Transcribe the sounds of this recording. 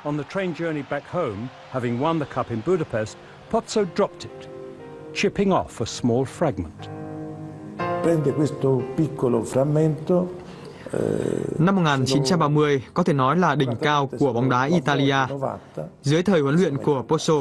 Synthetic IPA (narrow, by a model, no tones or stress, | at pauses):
ə̃nðətʰɹ̥ẽɪ̃nd͡ʒɜ˞nibækhõʊ̃m | hævɪ̃ŋwʌ̃nðəkʰʌpɨ̃nbʉɾəpʰɛst̚ | pʰɑtsoʊdɹɑp̚tʰɪt | t͡ʃʰɪpɪ̃ŋɔ̰fəsmɔlˠfɹæɡ̚mə̃n̩ʔ | pɾɛnd̪ekwest̪opikʰːolofɾamːent̪o̰ | namːot̚ŋaːnt͡ɕint͡ɕamɓaːmɨəjkɔt̪ʰenɔjlaːɗïŋ̟kaːwkuəɓawŋ͡mɗaːʔit̪aːliʔaːva̰t̪ːazɨəjt̪ʰəːjhwənlwḭənkuəposo